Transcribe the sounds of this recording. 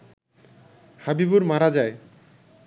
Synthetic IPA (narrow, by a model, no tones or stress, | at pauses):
habibuɾmaɾad͡ʑae